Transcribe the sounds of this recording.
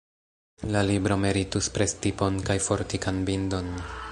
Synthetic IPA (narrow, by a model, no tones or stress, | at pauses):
lalibɾo̞me̞ɾituspɾe̞stipo̞nkajfo̞ɾtikanbindo̞n